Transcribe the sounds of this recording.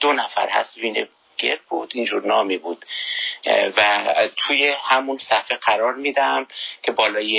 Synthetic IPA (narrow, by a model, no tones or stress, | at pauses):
d̪̥onæfæ̰ɾhæ̰st̪viːne | ɡ̥eɾbuːd̪iːnd͡ʒuɾnɒːmibuːd̪̥ | væt̪ʰuːjehæmunsæfeɢæɾɒːɾmid̪ææmkʰe̞bɒːlɒːje